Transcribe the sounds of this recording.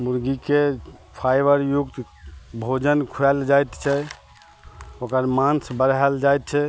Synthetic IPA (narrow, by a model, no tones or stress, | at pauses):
muɾɡikepʰajbəɾjukt̪ | bʱod͡ʒənkʰuɛld͡ʒajt̪t͡ʃʰɛ | okəɾmansbəɾɛld͡ʒajt̪̚t͡ʃʰɛ